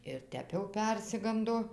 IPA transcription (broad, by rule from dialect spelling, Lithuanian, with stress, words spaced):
ɪr ˈtʲɛp jɛʊ ˈpʲɛrʲsʲɪɡɐndoː